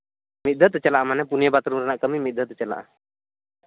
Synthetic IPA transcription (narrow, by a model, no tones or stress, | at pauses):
mit̪̚d̪ʱət̪t͡ʃalaʔamanɛpunijəbat̪ɾumɾɛnaʔkəmimit̪̚ˀd̪ʱət̪t͡ʃala̰ʔa̰